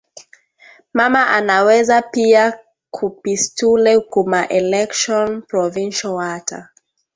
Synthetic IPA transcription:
mamaʔanawɛzapia | kʰupistulɛukumaʔɛlɛkʃɔ̃npɹɔvĩnʃɔwatʰa̰

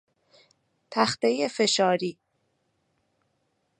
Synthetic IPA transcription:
t̪ʰæxt̪ejefe̞ʃɒːɾiː

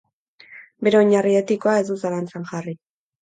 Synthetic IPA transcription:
be̞ɾe̞oɲariet̪iko̞ae̞zd̪usalant͡saŋʝari

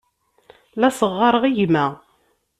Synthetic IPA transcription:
læsəʁːɑɾˤəʁiʝmæ

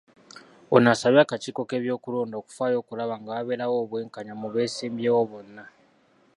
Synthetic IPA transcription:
onasaβjaːkaciːko̞ke̞ːβjo̞ːkuloːndo̞ːku̥faːjo̞ːkulaβaŋɡaːβeːɾawoːβwe̞ːŋkaɲamuβe̞ːsiːmbjeːwo̞βo̞nːa

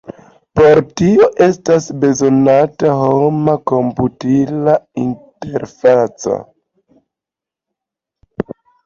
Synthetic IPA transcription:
po̞ɾtio̞ʔe̞stasbe̞zo̞nataɦomako̞mputilainte̞ɾfat͡sa̰

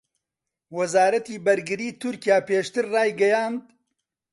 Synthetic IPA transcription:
wɐzaːɾɐt̪iːbɐɾɡɨɾiːt̪ʊɾkijaːpeːʃt̪ɨɾraːjɡɐjaːnd̪

